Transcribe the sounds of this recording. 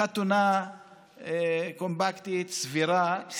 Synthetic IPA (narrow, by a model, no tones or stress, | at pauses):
at̪una | kɔ̃mbakt̪it̪sviɾa